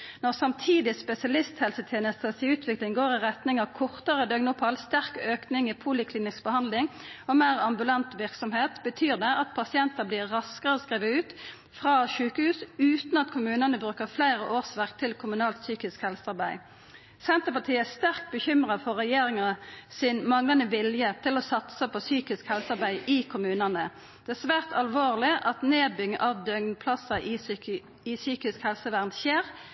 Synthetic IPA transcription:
nɔʁsɑmt̪ʰiːd̪ɪspɛsɪɑlɪst̪hɛlsət̪ʰjeːnəst̪ʰəsɪʉːt̪ʰʋɪklɪŋɡoːɾɪʁɛt̪nɪŋɑkʰɔʁt̪əʁəd̪œɡnʊpʰːɑlst̪æʁkøːknɪŋɪpʰuːlɪkʰlɪːnɪksbəhɑnd̪lɪŋɔmeːʁɑmbʉlɑnt̪ʋɪʁksɔmheːt̪bət̪ʰyːʁd̪ɛʔɑt̪pʰɑsɪɛnt̪əbliːʁɑskəʁɔskʁiːʋəʉːt̪ | fʁɑːʃʉːkəhʉːsʉːt̪n̩ɑt̪kʰʊmʉːnənəbʁʉːkəʁflæɪʁəʔoːʁsʋæʁkt̪ʰɪlkʰʊmʉnɑːlt̪syːkɪskhɛlsəɑʁbæɪ | sɛnt̪əpɑt̪ʰiːəæst̪æʁk̚t̪̚bəçʏmʁɑfɔʁɛjeːʁɪŋɑsɪnmɑŋlɑnəʋɪljət̪ʰɪlɔsɑt̪səpʰɔsyːkɪskhɛlsɑʁbæɪʔɪkʰʊmʉːnənə | d̪̥ɛæsʋæːʁt̪ʰɑlʋoːʁlɪʔɑt̪neːbʏŋʔɑʋd̪œŋnpʰlɑsɑʔɪ | ɪsyːkɪskhɛlsəʋæʁnt̪çeːʁ

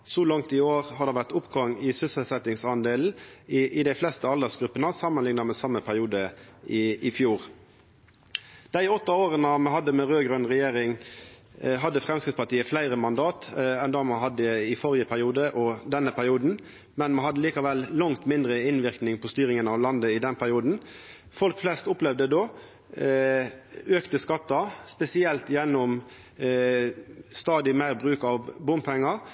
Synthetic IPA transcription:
sɔlɑŋt̪ɪoːʁɦɑd̪ɛʋæʁt̪ʊpɡɑŋɪsʏsəlsɛt̪ɪŋsɑnd̪eːln̩ɪʔɪd̪æɪflɛst̪əɑld̪ɛsɡɾʉpːənəsɑmənlɪŋnɑmɛsɑmːəpʰæʁɪuːd̪əɪɪfjuːʁ | d̪̥æɪɔt̪ːəoːʁənɑmɛɦɑd̪ːəmɛɾøːɡʁœnʁɛjeːɾɪŋ | ɦɑd̪ːəfʁɛmskɾɪt̪spɑʈ̪iːəflæɪɾəmɑnd̪ɑːt̪ɛnd̪ɑːmɛɦɑd̪ːəɪfɔɾɪəpʰæɾɪuːd̪əʔɔd̪ɛnːəpʰæɾɪuːd̪n̩ | mɛnmɑhɑd̪əliːkɑʋɛlːɑŋt̪mɪnd̪ɾəɪnʋɪɾknɪŋpʰɔst̪yːɾɪŋənɑʋlɑnd̪əɪd̪ɛnpʰæɾɪuːd̪n̩ | fɔlkflɛst̪ʊplɛʋd̪əd̪oː | øːkt̪əskɑt̪ːɑspɛsɪɛlt̪jɛnːɔm | st̪ɑːd̪ɪmæɪɾbɾʉːkɑʋbʊmpʰɛŋːɑɾ

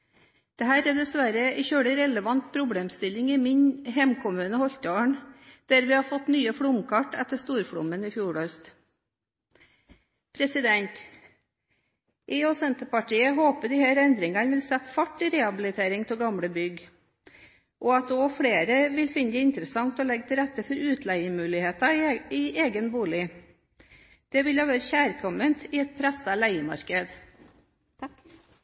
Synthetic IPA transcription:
d̪̥ɛɦæːɾæd̪ɛsʋæɾəʔɪçøːɽəɾɛləʋɑnt̪̚pʰɾʊbɽeːmst̪ɪlɪŋɪmɪɲɦɛmkʰʊmʉːnəhɔçt̪oːɳd̪̥æɾʋɪhɑɾfɔt̪nyːəfɽʊmkʰɑʈːɛt̪ːəʂt̪uːɾfɽʊ̰mənɪfjuːɾœst̪ | pʰɾɛsɪd̪ɛnt̪ | ʔɪːɔsɛnt̪əpɑʈiːəɦoːpəd̪ɪhæːɾɛnd̪ɾɪŋɑnʋɪlsɛt̪ːfɑʈːɪɾɛhɑbɪlɪt̪ʰeːɾɪŋt̪ʰɪlɡɑmɽəbʏɡ | ʔɔɑt̪oːfɽeːɾəʋɪlfɪnd̪ɛɪnt̪ɾəsɑŋt̪ɔlɛɡ̚t̪ʰɪlɾɛt̪ːəfɔɾʉːt̪ʰlæɪəmʉːlɪheːt̪ɑɪʔeːɡənbuːlɪ | d̪̥ɛʋɪljæʋæːɾəçæːɾkʰɔmənt̪ʰɪɛt̪̚pʰɾæsəlæɪəmɑ̰ɾkəd̪

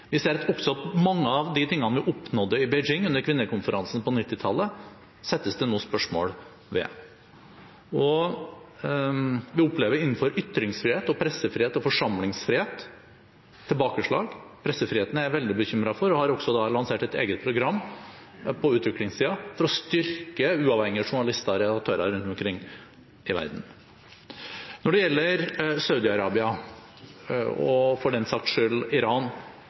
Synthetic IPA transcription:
ʋɪseːɾɔksɔɑt̪mɑŋːəɑʋd̪ɪt̪ɪŋːɑnʋɪʔɔpnɔd̪əɾɪbɛɪd͡ʒɪŋːʉnːəɾkʰʋɪnːəɾkʊnfəɾʔɑnsn̩pɔnɪt̪ːɪt̪ʰɑlːə | sɛt̪ːəsd̪ɛnuːspœʂmo̰ːɽ | ʋɛ̰ | ɔ | ʋɪɔpleːʋəɾɪn̩ːfɔɾʏt̪ːɾɪŋsfɾɪheːt̪ɔpʰɾɛsːəfɾɪheːt̪ɔfɔʂɑmlɪŋsfɾɪheːt̪ʰː | ɪlbɑːkəʂɭɑ̰ːɡpʰɾɛsːəfɾɪeːt̪ənəæɾʋɛld̪ɪbəçʏmɾɑfɔɾɔhɑɾɔksɔd̪ɑlɑnseːʈɛt̪ḛːɡət̪̚pʰɾʊɡɾɑmː | pʰɔʉːt̪ʋɪklɪŋst̪iːɑfɔɾɔst̪ʏɾkəʉːɑʋhɛŋːɪəʂʊɳɑlɪst̪ɑɔɾɛd̪ɑk̚t̪ʰøːɾɑ̰ɾʉnt̪ʊmkʰɾɪŋː | ɪʋæ̰ɾd̪n̩ | nɔɖɛjɛlːəɾsɑʉd̪ɪɑɾɑːbɪɑ | ɔ̰fɔɖɛnsɑkt̪ʂølɪɾɑːn

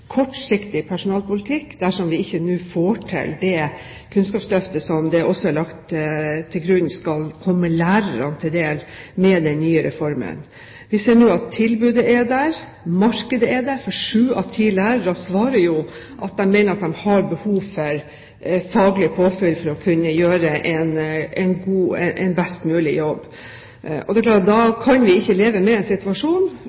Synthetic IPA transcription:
kʰɔʈsɪkt̪ɪpʰæʂʊnɑːlpʊlɪt̪ʰɪkːd̪æʂɔmʋɪɪçːənʉːfoːʈʰɪ̰ld̪ɛ | kʰʉnskɑːpslœft̪əsɔmd̪ɛʔɔsɔæɭɑkt̪t̪ʰːɪlɡɾʉnːskɑlkʰɔmːəlæːɾəɾɑ̰nət̪ʰɪld̪eːlmɛd̪ɛnnyːəɾɛfɔɾmə̰n | ʋɪseːɳoːɑt̪ʰːɪlbʉːd̪əʔɛd̪æɾ | mɑɾkəd̪əɛd̪æɾfɔʂʉːɑ̰ʋt̪ʰiːlæːɾəɾɑsʋɑːɾəɾjʊ | ʔɑt̪̚d̪ɛmːɛɪnəɾɑt̪̚d̪ɛmhɑɾbəhuːʋfɔɾ | fɑːɡlɪpʰoːfœlfɔɾɔkʰʉnːəjøːɾəʔɛnɛnɡuːɛʔɛnbɛst̪mʉːlɪ̰jɔbː | ʔɔ̰d̪ɛkʰlɑːʈ̚d̪ɑkʰɑnʋɪɪçːəleːʋəmɛɛnsɪt̪ʉɑʂuːn

